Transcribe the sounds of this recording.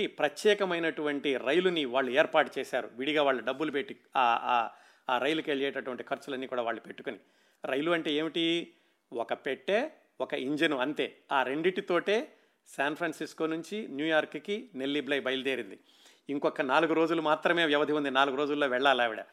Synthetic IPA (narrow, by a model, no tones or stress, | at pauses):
ipɾɐt̪jɛːkɐmɐjnɐʈuʋɐɳʈiɾɐjluniʋaːɭːueːɾpaːʈut͡ʃɛːsaːɾṵʋiɽiɡaːʋaːɭːuɖɐbːulupeʈːi | aː | aːɾɐjlukeɭɛːjʈɐʈuʋɐɳʈikʰɐɾt͡ʃːulɐnːiːkuːɽaːʋaːɭːupe̞ʈːu̥kuni | ɾɐjluɐɳʈe̞ːeːmiʈi | ɔkɐpeʈːe̞ː | ɔkɐʔiɲd͡ʒɐnuɐnt̪e̞ːaːɾe̞ɳɖiʈit̪o̞ːʈe̞ː | saːnpʰɾaːnsisko̞ːnuɲt͡ʃinjuːjaːɾkkine̞lːiblɐjbɐjlud̪eːɾind̪i | iŋkɔkːɐnaːluɡuɾo̞ːd͡ʒulumaːt̪ɾɐme̞ːʋjɛʋɐd̪ʱiund̪inaːluɡuɾo̞ːd͡ʒulːo̞ːʋɛɭːaːlaːʋiɽɐ̰